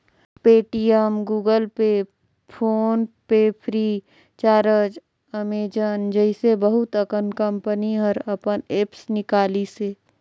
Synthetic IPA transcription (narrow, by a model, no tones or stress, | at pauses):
peːʈiːəmɡuːɡəlpe | pʰoːnpepʰɾiː | t͡ʃaːɾəd͡ʒ | əmeːd͡ʒənd͡ʒəɪsebəɦʊt̪əkənkə̃mpəniɦəɾɐpəneːpsnɪkaːliseː